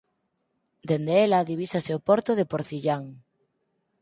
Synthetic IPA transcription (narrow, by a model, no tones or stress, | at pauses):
d̪end̪eelaðiβ̞isaseopɔɾt̪oð̞epoɾθiʎaŋ